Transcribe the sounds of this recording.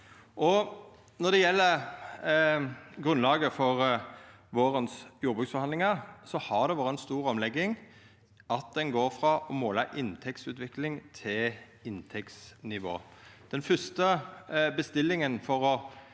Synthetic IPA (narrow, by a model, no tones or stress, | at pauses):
ʔɔ | nɔʁd̪ɛjɛlːəʁ | ɡʁʉnlɑːɡəfɔʁ | ʋoːɾənsjuːɾbʉːksfɔhɑnd̪ɪŋɑsɔhɑʁd̪ɛʋɑːʁəɛnst̪uːɾɔmlɛɡːɪŋ | ʔɑt̪̚d̪ɛnɡoːɾfɾɑʔɔmoːləʔɪnt̪ʰɛksʉːt̪ʋɪklɪŋt̪ʰɪl | ɪnt̪ʰɛksnɪʋo̰ːd̪̥ɛnfʏst̪əbəst̪ɪlːɪŋənfɔʁɔ